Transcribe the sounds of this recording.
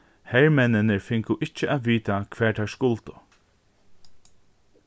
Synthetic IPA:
hɛɹmɛnːɪnɪɹfɪŋkʊʔɪht͡ʃːɪʔaːðʋiːt̪akʰʋɛːɹt̪ʰaɹskʊlt̪ʊ̥

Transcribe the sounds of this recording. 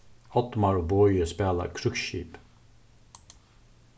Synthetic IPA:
ɔt̪mɑɹʊbɔʏəspeːlə̰kʰɾʉkʃḭːp

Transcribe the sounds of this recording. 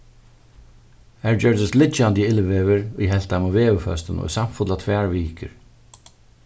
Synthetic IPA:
æɹd͡ʒœɹd̪əst̪lɪt͡ʃːand̪jəɪlʋeːʋɪɹʊɦɛl̥t̪amʊʋeːʋəfœ̰st̪ənɔ̰samfʊt̪lat̪ʰʋæːɹʋiːkə̰ɹ

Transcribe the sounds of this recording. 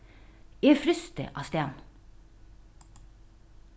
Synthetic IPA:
eːfɾʏst̪ə̰ʔɑ̰st̪eːn

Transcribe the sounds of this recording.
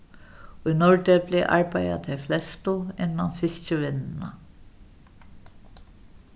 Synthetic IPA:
ujnɔɹt̪ɛplɪʔa̰ɹpaja̰t̪ʰɛjflɛst̪ʊɪnːanfɪʃt͡ɕɪʋɪnːɪna̰

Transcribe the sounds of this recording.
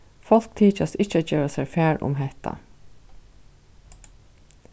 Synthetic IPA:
fɔlk̚t̪ʰiːt͡ʃɑsɪçəd͡ʒeːʋəsɛfæːɹʊ̰mɦɛht̪ɑ̰

